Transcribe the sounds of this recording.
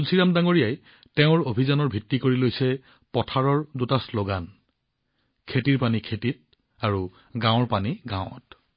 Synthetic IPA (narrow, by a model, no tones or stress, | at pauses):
usiɹamdaŋoɹijaj | teʊ̃ɹobʱizanɔɹbʱitːikoɹilojsɛ | pɔtʰaɹɔɹdutasloɡan | kʰetiɹpanikʰetit̚ | aɹu | ɡãwɹpaniɡãw̃ɔ̰t